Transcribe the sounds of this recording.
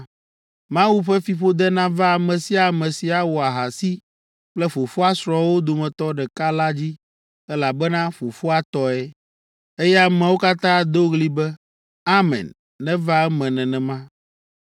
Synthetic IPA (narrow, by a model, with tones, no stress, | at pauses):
mã˦wu˦ɸɛ˦fi˨ɸo˦d̪ɛ˦nã˦va˦a˨mɛ̃˨si˦a˨mɛ̃˨si˨a˨wɔ˨a˨ɦa˨si˦ | k͡plɛ˦fo˨fo˦a˦sɾɔ˨wo˦d̪o˨mɛ̃˨t̪ɔ˦ɖɛ˨ka˦la˦d͡ʑi˦ | ɛ˦la˨bɛ˦nã˦fo˨fo˦a˦t̪ɔ˦ɛ˦ | e˦jɛ˦a˦mɛ̃˨wo˦ka˦t̪ã˦d̪o˦ɣli˦bɛ˦ | a˦mɛ̰̃˨nː | ɛ̃˦va˦ɛ˦mɛ̃˨nɛ̃˨nɛ̃˨mã˦